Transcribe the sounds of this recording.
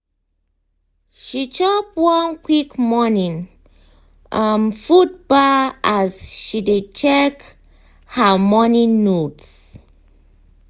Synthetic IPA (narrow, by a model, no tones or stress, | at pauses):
ʃit͡ʃɔpwɔ̃nkwikmɔnĩŋ | ʔamfut̚baasʃidet͡ʃɛk | həmɔnĩŋnots